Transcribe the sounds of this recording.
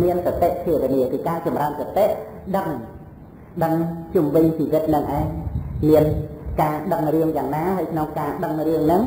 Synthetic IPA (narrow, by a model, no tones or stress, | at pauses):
miənsat̪eʔt̪ʰiəʋiəniəkɨːkaːt͡ɕɑmraəmsat̪eʔ | ɗəŋ | ɗəŋt͡ɕumʋɨɲt͡ɕiːʋɨt̪̚nɨŋʔaɛɲmiənkaːɗəŋriəŋjaːŋnaːhaːəjkʰnoŋkaːɗəŋriəŋnɨŋ